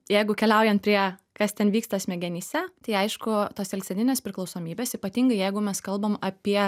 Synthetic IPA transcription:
jɛɪɡʊkʲɛlʲɛʊjɛnt̪̚pʲɾʲiɛkɐst̪ʲɛnʋʲiːkst̪ɐsʲmʲɛɡʲɛnʲiːsʲæt̪ɐɪɐɪʃkʊt̪oːsɛlʲksʲɛnʲɪnʲeːspʲɾʲɪklˠɐʊsoːmʲiːbʲeːsiːpɐt̪ʲiːŋɡɐɪjɛɪɡʊmʲɛskɐlˠbɐmɐpʲiɛ

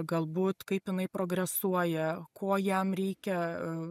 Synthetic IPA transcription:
ɡɐlˠbuːt̪kɐɪpjɪnɐɪpɾoːɡɾʲɛsuɔjɛkʰoːjɛmɾʲɛɪkʲɛ

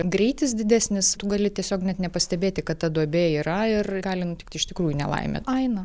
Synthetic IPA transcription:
ɡɾʲɛɪtʲɪsd̪ʲɪd̪ʲæːsʲnʲɪst̪ʊɡɐlʲɪtʲiɛsʲoːknʲɛt̪nʲɛpɐsʲt̪ʲɛbʲeːt̪ʲɪkɐtt̪ɐd̪uɔbʲeːiːɾɐɪrɡɑːlʲɪnʊtʲɪkt̪ɪɪʃt̪ʲɪkɾuːjunʲɛ̰lˠɐ̰ɪmʲḛːtɐɪnɐ

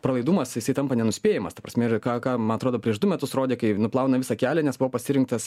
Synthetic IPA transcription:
pɾɐlˠɐɪd̪uːmɐsjɪsɐɪt̪ɐmpɐnʲɛnʊsʲpʲeːjɛmɐst̪ɐpɾɐsʲmʲɛɪrkɑːkɑːmɐnɐt̪ɾoːd̪oːpʲɾʲiɛʃd̪ʊmʲɛt̪ʊsroːd̪ʲeːkɐɪnʊplˠɐʊnɐʋʲɪsɐkʲæːlʲɛnʲɛsbʊʋopɐsʲɪɾʲɪŋk̚t̪ɐs

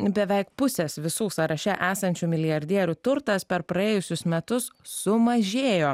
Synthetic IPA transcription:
bʲɛʋʲɛɪk̚pʊsʲɛsʋʲɪsuːsɐɾɐʃʲɛʔæːsɐnʲt͡ʃʲuːmʲɪlʲɪjɐɾʲd̪ʲiɛɾʲuːt̪ʊɾt̪ɐspʲɛɾpɾɐeːjʊsʲʊsmʲɛt̪ʊssʊmɐʒʲeːjoː

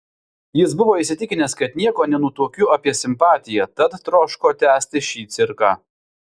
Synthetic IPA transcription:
jɪsbʊʋoːɪsʲɪt̪ʲɪkʲɪnʲɛskɐt̪nʲiɛkoːnʲɛnʊt̪uɔkʲʊɐpʲiɛsʲɪmpɑːt̪ʲɪjɛt̪ɐt̪ːɾoːʃkoːt̪ʲæːsʲt̪ʲɪʃʲiːt̪sʲɪɾkɑː

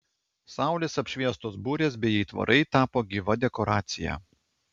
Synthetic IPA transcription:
sɑˑʊlʲeːsɐpʲʃʲʋʲiɛst̪oːsbuːɾʲeːs̬bʲɛjɛɪt̪ʋɐ̰ɾʔɐɪt̪ɑːpoːɡʲiʋɐd̪ʲɛkɔɾɑːt̪sʲɪjæ̰ː

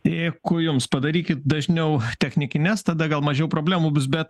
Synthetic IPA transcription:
ɛɪkʊjʊmspɐd̪ɐɾʲiːkʲɪt̪̚d̪ɐʒʲnʲɛʊt̪ʲɛxʲnʲɪkʲɪnʲɛst̪ɐd̪ɐɡɐlˠmɐʒʲɛʊpɾoːbʲlʲæːmʊbʊs̬bʲɛt̪

